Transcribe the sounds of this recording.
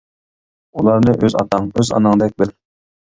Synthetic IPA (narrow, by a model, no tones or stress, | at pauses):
ulˠɑɾnɨʔøzɑ̰t̪ɑŋøzɑ̰nɨŋd̪ɛk̚ʲbɪl